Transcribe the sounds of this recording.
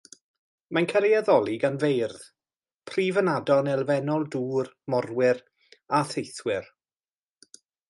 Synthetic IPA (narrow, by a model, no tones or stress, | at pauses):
mankʰəɾiaðɔlˠiɡanvejrð | pʰriːvənadɔnɛlˠvɛnɔlˠduːr | mɔrwɪɾ | aθejθwɪr